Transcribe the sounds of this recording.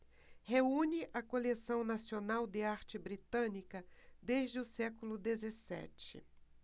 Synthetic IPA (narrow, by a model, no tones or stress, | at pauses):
heũnɪʔɐkolesɐ̃w̃nasionawd̪ɪaɾt͡ʃɪbɾit̪ɐ̃nikɐd̪eʒd͡ʒɪʊsɛkulʊd̪ezesɛ̰t͡ʃɪ̰